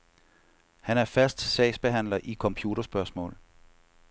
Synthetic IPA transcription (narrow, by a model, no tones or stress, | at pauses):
hænæɐfæsd̥sɛ̰ɪsb̥e̝ɦæn̰lɐʔikʰɒ̽mpʰjuːɾ̥ɐsb̥ɶɐsmɔ̰̽ːl